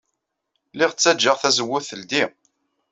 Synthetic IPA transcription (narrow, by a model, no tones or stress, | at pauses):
liʁət͡sːæd͡ʒːəʁθæzəwːʊθəld̪i